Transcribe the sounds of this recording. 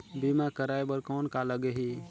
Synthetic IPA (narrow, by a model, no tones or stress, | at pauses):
bimakəɾaebəɾkɔnkaləɡeɦi